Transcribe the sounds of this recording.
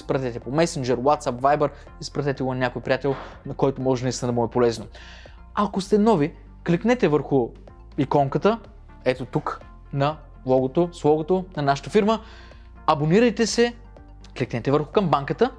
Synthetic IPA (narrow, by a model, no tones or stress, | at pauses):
spɾɐt̪ɛt̪ɛpomɛsind͡ʒɛɾwat̪sapvajbəɾ | ispɾɐt̪ɛt̪ɛɡonɐnʲakojpɾʲijat̪ɛlˠnɐkɔjt̪omɔʒɛnɐist̪inəd̪bmumɛpolɛzno | akost̪ɛnɔvi | kliknɛt̪ɛvəɾxʊ | ikɔŋkət̪ə | ɛt̪ot̪uk | nɐ | lˠɔɡot̪oslˠɔɡot̪onɐnaʃə̥t̪əfiɾmə | ɐboniɾəjt̪ɛsɛ | kliknɛt̪ɛvəɾxʊ̥kɐmbaŋkət̪ə